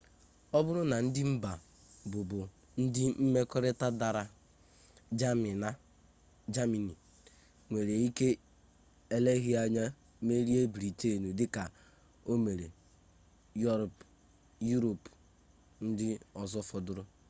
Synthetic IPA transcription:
ɔ˦bʊ˦ɾʊ˦na˨n̩˦dɪ˦m̩˦ba˨ | bʊ˨bʊ˨ | n̩˦dɪ˦m̩˦me˦kɔ˦ɾɪ˦ta˦da˨ɾa˨ | d͡ʒm˨a˦ | d͡ʒa˦mi˨ni˨ | ŋʷe˨ɾe˨i˦ke˦ | e˦le˦ɣi˦a˦ɲa˦ | me˦ɾi˦e˦bi˨ɾi˨te˦˨nu˨dɪ˦ka˨ | o˦me˨ɾe˨ | jɔ˦ɾp | ju˦ɾo˨p | n̩˦dɪ˦ɔ˨zɔ˦fɔ˨dʊ˦ɾʊ˦

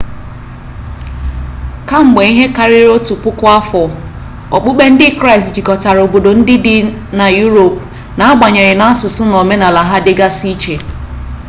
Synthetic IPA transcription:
ka˦ŋ͡m̩˨ɡ͡be˨i˦ɦe˦ka˦ɾɪ˦ɾo˦tu˨pʊ˦kʊ˦a˦fɔ˨ | ɔ˨k͡pʊ˦ɡ͡be˦n̩˦dɪ˦kɾa˦ɪ˨std͡ʒi˨kɔ˨ta˨ɾo˨bo˨do˨n̩˦dɪ˦dɪ˦na˨ju˦ɾo˨p̚ | na˨a˦ɡ͡ba˨ɲe˨ɾɪ˨na˦a˦sʊ˨sʊ˦no˨me˦na˨la˨ɦa˦dɪ˦ɡa˦si˦t͡ʃe˨

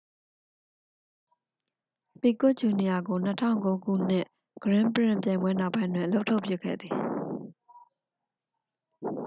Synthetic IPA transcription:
pi˨kʊ˦ʔt͡ɕu˨ni˨ja˨ɡo˨n̥ətʰã̰˦˨ʊŋko˦ɡṵ˦˨n̥ɪ̰̃˦˨ʔ | ɡ̥əɹɪ̃˦˨mpəɹɪ̰̃˦˨mp̬jã˨ɪ̃mbwɛ˦na˦ʊpːã˦ndwɪ̰̃˨ʔə˨lo˦ʊʔtʰo˦ʊpju˦˨kʰɛ̰˦˨d̪ði˨

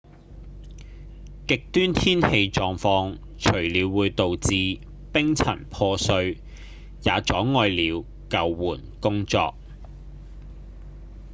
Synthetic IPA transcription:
kɪ˨k̚t̪yː˥nt̪ʰiː˥nhe˧jt͡ʃɔː˨˧ŋfɔː˧ŋ | t͡ʃʰɵ˨˩ɥliː˨˧wːuː˨˧jt̪o˨wt͡siː˨˧ | pɪ˥ŋt͡sʰɐ̰˨˩npʰɔː˧sɵ˧ɥ | jaː˨˧t͡ʃɔː˨˥ŋɔː˧jliː˨˧w | kɐ˨˧wːuː˨˩nkʊ˥ŋt͡sɔ̰ː˧k̚

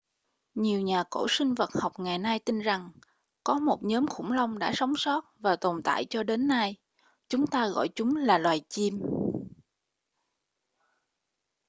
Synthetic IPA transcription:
ɲi˨˩əwɲaː˨˩ko̰˧˩sï˧ŋ̟və˨˩t̚ha˨˩wk͡p̚ŋa˨˩jna˧jt̪i˧nza˨˩ŋ | kɔ˨˦mo˨˩t̚ɲɔː˨˦mxʊ̰˧˩ŋ͡mlə˧wŋ͡mɗa̰ː˧˥sa˨˦wŋ͡msɔ˦˥t̚vaː˨˩t̪o˨˩nt̪a̰ː˧˨jt͡ɕɔ˧ɗe˨˦nːa˧j | t͡ɕʊ˨˦ŋ͡mt̪aː˧ɣɔ̰˧˨jt͡ɕʊ˨˦ŋ͡mlaː˨˩lwaː˨˩jt͡ɕi˧m

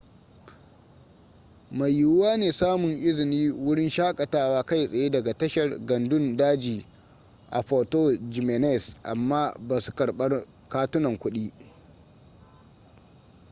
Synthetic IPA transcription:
ma˨jːʊ˦waː˦neː˨saː˦mʊ˨ŋʔɪ˦zɪ˨niː˦wʊ˦ɽɪ˦nʃaː˦kʼɐ˨taː˦waː˦ka˦˨jsʼɐ˨jeː˦dɐ˨ɡa˨tɐ˦ʃɐ˨rɡɐ˨ndʊ˦ndaː˦d͡ʒiː˨ | ʔa̰˨ɸo˨toː˦d͡ʒi˨mɛ˨nɛ˦˨sʔa̰˨mːaː˦baː˨su̥˨kɐ˨ɽɓɐ˦r | kaː˦tʊ˦nɐ˨ŋkʷʊ˦ɗiː˦

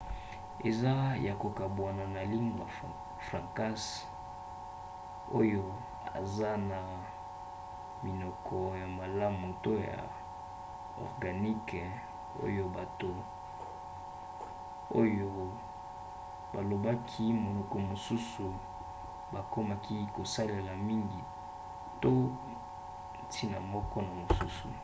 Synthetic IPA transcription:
e˨za˦jʔa˨ko˨ka˨bwa˨na˨na˨li˦ŋɡa˨ | fʁa˨ŋka˦s | o˦jo˦ | a̰˨za˦na˨ | mi˨nɔ˨kʰɔ˨ja˨ma˨la˦mo˨to˦ja̰˨ | ɔ̰˨ʁɡa˨ni˦k | o̰˦jo˦ba˨to˨ | o˦jo˦ | ba˨lo˨ba˦kʰi˦mo˨nɔ˨ko˨mo˨su˦su˨ | ba˨ko˦ma˦ki˦ko˨sa˦le˨la˨mi˦ŋɡi˨ | to˦˨ | tʰi˦na˨mɔ˦kɔ˦na˨mo˨su˦sṵ˨

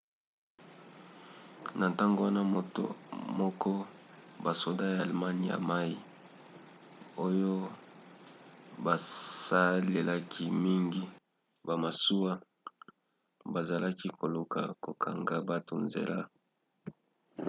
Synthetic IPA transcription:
na˨n˨ta˦ŋɡo˦wa˦na˦˨mɔ˦kʰɔ˦ba˨so˨da˦jaː˨lma˦ni˨ja̰˨ma˦i˨ | o˦jo˦ | ba˨sa˦le˨la˦kʰi˦mi˦ŋɡi˦ | ba˨ma˨su˦wa˦ | ba˨za˨la˦ki˦kʰo˨lo˨ka̰˨ko˨kʰa̰˨ŋɡa˦ba˦to̰˨nzḛ˨la˦

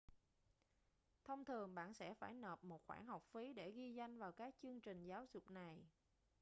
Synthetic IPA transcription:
t̪ʰə˧wŋ͡mt̪ʰɨ˨˩əŋɓa̰ː˧˨nsɛ̰˧˥faː˧˩jnəː˨˩p̚mo˨˩t̚xwaː˧˩nha˨˩wk͡p̚fi˨˦ɗe˧˩ɣi˧za˧jŋ̟vaː˨˩wkaː˨˦˥k̚t͡ɕɨ˧əŋt͡ɕï˨˩ŋ̟zaː˨˦wzʊ˨˩k͡p̚na˨˩j

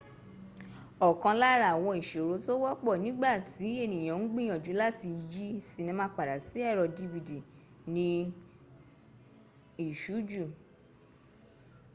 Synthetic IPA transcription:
ɔ˨kã˧la˦ɾa˨w̃ɔ̃˧i˨ʃe˨ɾo˨˦to˦wɔ˦k͡pɔ˦˨nĩ˦ɡ͡ba˦˨tʰi˨˦e˦˨nĩ˨j̃ã˨n̩˦ɡ͡bĩ˦j̃ɔ̃˨d͡ʒu˨˦la˦˨ti˧d͡ʒi˦si˦˨nĩ˧mã˧˦k͡pa˨da˨si˨˦ɛ˦˨ɾɔ˧di˧bi˧di˨ | nĩ˧ | i˨ʃu˨˦d͡ʒu˦˨

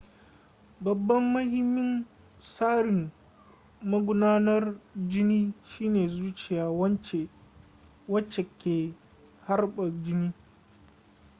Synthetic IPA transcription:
bɐ˨bːɐ˦mːɐ˦hɪ˦mːɪ˦n | saː˦ɽɪ˨m | mɐ˦ɡʷʊ˦naː˦nɐ˦rd͡ʒɪ˦niː˦ʃiː˦neː˨zuː˦t͡ʃɪ˨jaː˨wɐ˦nt͡ʃe˨ | wɐ˦t͡ʃːe˨kʲeː˨ | ha˦rɓɐ˨d͡ʒɪ˦niː˦

